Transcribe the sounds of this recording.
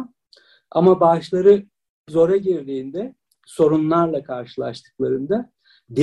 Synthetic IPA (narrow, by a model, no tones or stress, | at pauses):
amabaʃlˠaɾɯ | zo̞ɾaɟiɾd̪iːnd̪ɛ | so̞ɾunlˠaɾlˠakʰaɾʃɯlˠaɾʃt̪ʰɯ̥klˠaɾɯnd̪a | d̪i